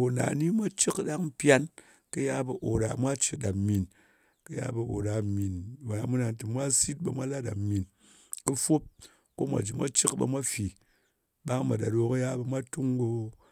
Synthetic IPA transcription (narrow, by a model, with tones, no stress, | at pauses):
o˨na̰˨ni˦mʷa˦t͡ʃi˦kɗa˦ŋ̩˦pja˦n | kɨ˦ja˦bə˨ʔo˨ɾa˨mʷa˦t͡ʃi˨da˨mi˨n | kɨ˦ja̰˦bɐ˨o̰˨ɾa˨mi˨nwa˨ja˨mu˦na˧ntɨ˨mʷa˦si˦t̚bɐ˨mʷa˦la˦ɗa˨mi˨n | kɨ˦fo˦p̚ | ko˦mʷa̰˨d͡ʒi˨mʷa̰˦t͡ʃɨ˦kbɐ̰˧mʷa˦fi˨ | ɓa˦ŋ˦ma˨da˨ɾo˨kɨ˦ja˦bɐ˧mʷa˦tu˦ŋɡo˧